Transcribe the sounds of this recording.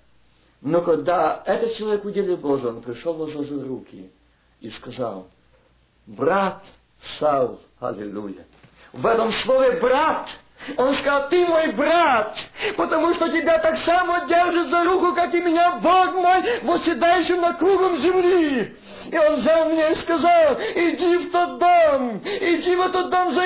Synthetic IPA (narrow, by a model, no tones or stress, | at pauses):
nokɐɡ̚d̪aɛt̪ət̪̚t͡ɕɪlˠɐvʲekʊdʲelʲɪlˠboʐəonpɾʲɪʂolˠvozozəɾukʲɪ̰ | iskɐza̰lˠ | brat̪ | salˠ | hɐ̰lʲɪ̰lʲṵjə̰ | vɛt̪əmslˠovʲɪbɾat̪ | onskɐzalˠt̪ɨmojbɾat̪pət̪ɐmuʂt̪otʲɪbʲat̪aksamodʲerʐɨt̪zɐɾukʊkakɪmʲɪnʲabokmo̞jvosʲɪd̪ajɪɕɪnɐkɾuɡəmzʲɪmlʲi | ɪo̞nzalˠmʲɪnʲaɪskɐzalˠɪdʲift̪ot̪̚d̪omɪdʲivɛt̪ət̪̚d̪omzɐ